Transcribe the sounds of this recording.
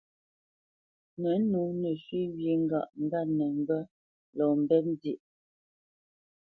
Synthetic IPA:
nə˨˦nu˨˦nə˨ʃwi˦wji˨˦ŋ̩˦ɡa˦˨ʔŋ̩˦ɡa˦˨nɛ˨ŋ˦bə˦ | lɔ˨m˨bɛ˦n˦di˦˨ʔ

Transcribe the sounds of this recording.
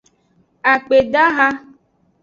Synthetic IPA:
a˨k͡pe˨ɖa˦ɦa˦

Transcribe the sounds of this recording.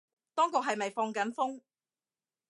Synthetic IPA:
t̪ɔː˥ŋk̬ʊ˨k̚ɦɐ˨jmɐ˨jfɔː˧ŋkɐ˨˥nfʊ˥ŋ

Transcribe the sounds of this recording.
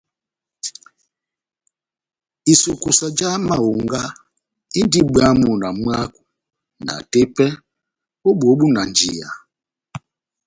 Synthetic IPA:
i˨su˨ku˨sa˨d͡ʒa˦ma˦˨u˨ŋ˦ɡa˦ | i˦n˦di˦ɡ͡ba˦mu˨na˨m˦a˦ku̥˨ | na̰˨te˦pɛ˦ | o˦ɓo˨˦ɓu˦na˨n˨d͡ʒi˨ja̰˨

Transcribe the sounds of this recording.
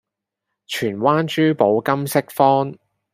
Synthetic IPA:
t͡ʃʰyː˨˩nwaː˥nt͡ʃyː˥po˨˧wkɐ˥msɪ˥k̚fɔː˥n

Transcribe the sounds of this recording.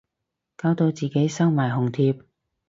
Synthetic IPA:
kaː˧wt̪o˧wt͡siː˨˩ke˨˥jsɐ˥wmaː˨˩jɦʊ˨˩ŋt̪ʰiː˧p̚

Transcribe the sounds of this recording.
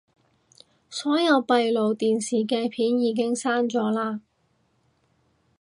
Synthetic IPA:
sɔː˨˥jɐ˨˧wpɐ˨˧jlo˨wt̪iː˨nsiː˨kɛː˧pʰiː˨˥njiː˨˧k̬ɪ˥ŋsaː˥nt͡ʃɔː˨˥laː˧

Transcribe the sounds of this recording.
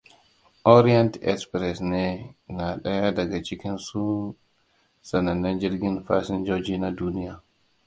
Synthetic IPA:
ʔɔ˦ɾi˦a˦ntɛ̰˦kspɾɛ˨sne˦na˨ɗɐ˦ja˦dɐ˨ɡa˨t͡ʃɪ˦kʲi˦nsu˦ | sɐ˨nɐ˨nːɛ˦nd͡ʒi˦ɾɡʲɪ˦nfa̰ː˦sɪ˦nd͡ʒoː˦d͡ʒiː˦na˨duː˦ni˦jaː˨

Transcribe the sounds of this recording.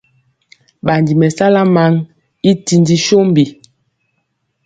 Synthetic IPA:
ɓa˨ndi˨mɛ˨sa˦la˦ma˦ŋ | i˦ti˨ndi˦ʃo˦m˦bi˨

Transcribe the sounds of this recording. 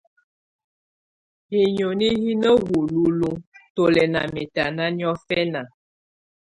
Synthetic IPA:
he˨ɲo˨ni˦ɦi˦nə˦wu˨lu˨lu˦to˨lɛ˨na̰˨me˨ta˨na˦ni˦ɔ˦fɛ˦na˨

